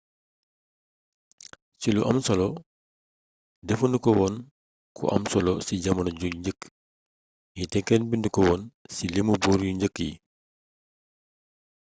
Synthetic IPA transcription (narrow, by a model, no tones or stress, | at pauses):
ciluʔɐmsɐlɔ | dɛfundukɔwɔn | kʰṵʔɐ̰msɔlɔsiɟɐmɐnɐɟuɲɟək | jitɛkːɛnbindikɔwɔnsilemubɔːɾjuɲɟəkːjḭ